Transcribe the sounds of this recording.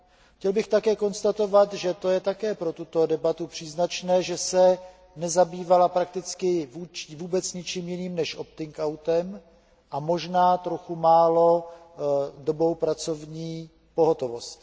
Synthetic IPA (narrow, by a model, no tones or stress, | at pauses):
xcɛlbɪxt̪akɛːko̞nst̪at̪o̞vat̪ʒɛt̪o̞jɛt̪akɛːpɾo̞t̪ut̪o̞dɛbat̪upr̝̥iːznat͡ʃnɛːʒɛsɛ | nɛzabiːvalapɾak̚t̪ɪt͡skɪvuːt͡ʃvuːbɛt͡sɲɪt͡ʃiːmjɪniːmnɛʃʔo̞p̚t̪ɪŋkawt̪ɛm | ʔamo̞ʒnaːt̪ɾoxumaːlo̞ | do̞bɾo̞wpɾat͡so̞vɲiː | po̞ɦo̞t̪o̞vo̞st